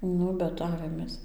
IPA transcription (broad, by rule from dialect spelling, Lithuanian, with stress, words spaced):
ˈnʊ bʲɛt ˈɑːʋʲeːmʲeːs